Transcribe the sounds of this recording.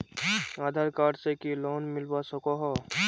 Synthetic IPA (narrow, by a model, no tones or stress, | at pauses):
aːd̪ʱaːɾkaːɖsekilɔːnmɪlbasɔkɔɦɔ